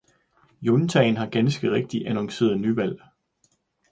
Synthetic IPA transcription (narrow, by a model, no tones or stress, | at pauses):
jont͡sʰɛɪnɦɑ̈ɡ̥ænsɡ̥əʁeɡ̥̚d̥iʔænɒ̽ŋse̝̰ːɐðˠnyʋæl̰